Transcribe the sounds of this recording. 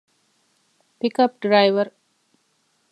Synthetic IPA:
pikɐp̚ɖɾajʋɐɾ

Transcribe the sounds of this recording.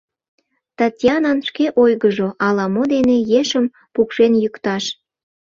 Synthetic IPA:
t̪ɑtʲjɑnɑnʃkeʔojɣəʒoʔɑlɑmod̪enejeʃəm | pukʃenjykt̪ɑʃ

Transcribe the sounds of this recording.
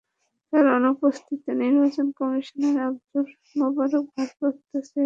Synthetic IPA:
t̪aɾɔnopost̪ʰit̪oniɾbat͡ɕonkɔmiʃoneɾabd͡ʑoɾ | mɔbad̪ok̚bʱaɾpɾot̪ːaʃe

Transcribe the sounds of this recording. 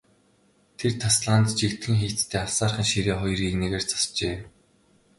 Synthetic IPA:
t̪ʰert̪ʰasɮaːnt̪t͡ɕikt̪ɡĭŋxeːt͡st̪ʰeːawsaːrχə̆ŋʃiɾeːχɔjriikneɣeːrt͡sḁst͡ɕeː

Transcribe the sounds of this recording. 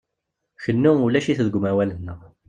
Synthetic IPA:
çənːuʊlæʃiθðəɡʷmæwælənːəʁ

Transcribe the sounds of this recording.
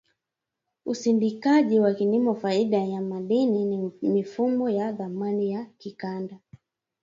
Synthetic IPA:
usindikaʄiwakiɲimɔfaiɗajamaɗininimifumɔjaðamanijakikanda

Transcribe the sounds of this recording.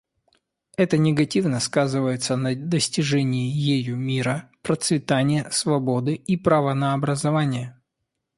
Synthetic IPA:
ɛt̪ənʲɪɡɐtʲivnəskazɨvəjɪt̪sənəd̪əsʲtʲɪʐɛnʲɪɪjejumʲiɾəpɾət̪svʲɪt̪anʲɪjəsvɐbo̞d̪ɨipɾavənəːbɾəzɐvanʲɪjə

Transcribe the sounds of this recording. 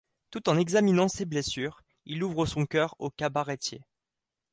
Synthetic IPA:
t̪ut̪ɑ̃nɛɡzaminɑ̃seblesyːʁ | iluvʁəsɔ̃kʲœʁokabaʁet̪jḛ

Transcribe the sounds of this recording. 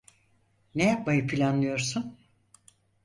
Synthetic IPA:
nejap̚majɯpʰilʲanlˠɯjo̞ɾsun

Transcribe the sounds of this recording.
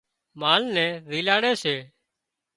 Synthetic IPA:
maːlnɛ̃ːɾiːlaːɽeːseː

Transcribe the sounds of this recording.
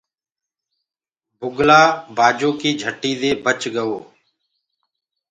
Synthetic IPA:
bʱʊɡlaːbaːd͡ʒoːkiːd͡ʒʱəʈːiːd̪eːbət͡ʃɠəʋoː

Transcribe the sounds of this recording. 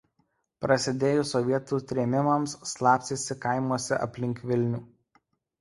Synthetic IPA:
pɾɐsʲɪd̪ʲeːjʊsɔʋʲiɛt̪uːt̪ʲɾʲeːmʲɪmɐmsːlˠɑːpʲsʲɪsʲɪkɐɪmuɔsʲɛʔɐ̰pʲlʲɪŋʲkʋʲɪlʲnʲuː

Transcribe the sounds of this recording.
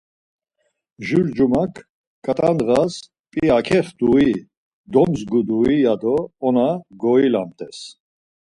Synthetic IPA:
ʒuɾd͡ʒumakʰ | kʼat̪ʼand̪ʁas | pʼiakʰɛχd̪ui | d̪ɔnzɡud̪uijad̪ɔːnaɡɔila̰mt̪ʼɛs

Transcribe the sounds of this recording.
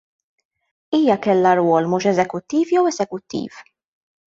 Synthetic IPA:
iːjɐkɛlːɐɾwɔːlmuːʃɛzɛkʊt̪ːiːfjɛwɛzɛkʊt̪ːḭːf

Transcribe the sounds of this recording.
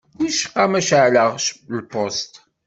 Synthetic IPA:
wiʃqɑmɐʃaːɮaʁʃlpʰostʰ

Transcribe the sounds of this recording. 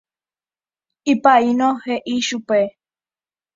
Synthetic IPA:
ipainoheʔiʃupe

